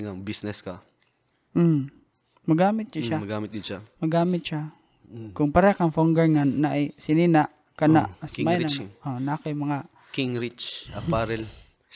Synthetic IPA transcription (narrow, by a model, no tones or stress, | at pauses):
ŋabisnɛskɐ | mɐɡaːmɪt̪̚t͡ʃaʃamɐɡaːmɪt̪̚ɡɪd̪ʃamɐɡaːmɪt̪̚ʃa | kʊŋpɐɾɛkaŋfoŋɡɛɹŋanaʔajsɪnina | kɐna̰ʔsmajjaŋʔonaakajmɐŋa | kiŋɾit͡ʃɐpaɾɛl